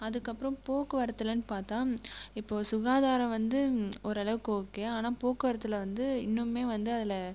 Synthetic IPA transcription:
ɐðɯkːɐpːɯɾɐ̃mpoːkɯʋɐɾɐt̪ːɯlɐnːɯpaːɾt̪ãːɪpːoːsʊɣaːðaːɾɐ̃ʋɐnd̪ɯɔɾɯɐɭɐʋɯkoːkːeːaːnaːpoːkːɯʋɐɾɐt̪̬ːɯlɐʋɐnd̪ɯɪnːɯmːeːʋɐnd̪ɯɐðɪlɐ

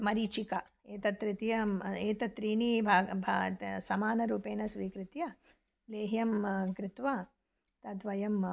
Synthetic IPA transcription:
mɐɾit͡ʃikɐ | eːt̪ɐt̪ɾit̪jɐeːt̪ɐt̪ɾiːɳibʱaːbʱasɐmaːnɐɾuːpeːnɐsʋiːkɾɪt̪jɐ | leːɦjɐmkɾɪt̪ʋɐ | t̪ɐt̪ʋɐjɐm

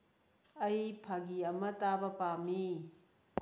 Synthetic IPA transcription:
ɐjpʰaɡiɐmɐtabɐpami

